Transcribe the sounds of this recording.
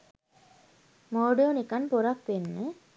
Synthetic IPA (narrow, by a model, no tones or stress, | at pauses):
moːɖonikanpoɾakʋenːə